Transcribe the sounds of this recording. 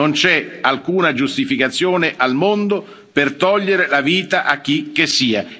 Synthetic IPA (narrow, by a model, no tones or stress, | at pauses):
ont͡ʃɛalkuːnad͡ʒust̪ifikat̪sːjoːnɪʔalmond̪o | pert̪ɔʎːeɾelaviːt̪aʔak̟ːik̟ːesːiːa